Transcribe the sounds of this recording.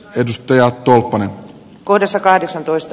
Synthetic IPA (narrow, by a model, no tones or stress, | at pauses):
edust̪ɑjɑt̪ːolpːɑnen | kohdɑsːɑkɑhdeksɑnt̪oist̪